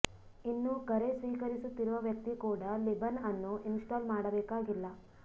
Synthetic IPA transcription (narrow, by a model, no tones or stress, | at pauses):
inːukɐɾesʋiːkɐɾisut̪ːiɾuʋɐʋjɐk̚t̪ikuːɽɐlibɐnɐnːuʔinsʈaːlmaːɽɐbɛːkaːɡilːɐ